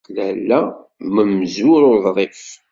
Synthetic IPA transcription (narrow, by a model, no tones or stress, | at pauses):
lælːæ | məmzʊɾʊɾðˤɾˤif